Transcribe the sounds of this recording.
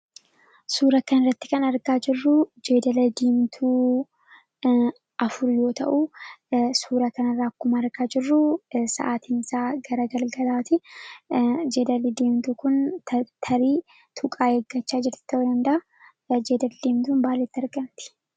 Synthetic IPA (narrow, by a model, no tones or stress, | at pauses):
suːɾɐkɐnɐrːɐt̪ːɪ̥kɐnɐɾɡaːd͡ʒɪrːʊd͡ʒeːd̪ɐlɐd̪eːmt̪ʰuː | ʔɐfʊɾjo̞ːt̪ɐ̰ʔu | suːɾɐkɐnɐrːaːkʊmɐːɾɡaːd͡ʒɪrːʊsɐ̰ʔaːt̪iːnsaːɡɐɾɐɡɐlɡɐlaːt̪ɪ | d͡ʒe̞ːd̪ɐlɪd̪eːmt̪uːkʊnt̪ʰɐɾiː | t̪ʰʊkʼaːeːɡːɐt͡ʃːaːd͡ʒɪɾt̪ɪ̥t̪ːɐʔd̪ɐnd̪ɐʔɐ | d͡ʒe̞ːd̪ɐld̪eːmt̪uːnbaːlːeːt̪ːɪɐɾɡɐmt̪ɪ̥